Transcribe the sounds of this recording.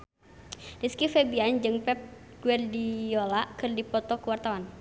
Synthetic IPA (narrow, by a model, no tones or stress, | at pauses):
diskifɛbiand͡ʒɨŋpɛp̚ɡ̥uɛrdiolakɨrdipɔt̪ɔkəwart̪awan